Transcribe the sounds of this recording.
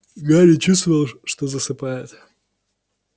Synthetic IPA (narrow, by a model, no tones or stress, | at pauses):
ɡaɾʲɪt͡ɕust̪vəvəlˠʂt̪ozəsɨpajɪt̪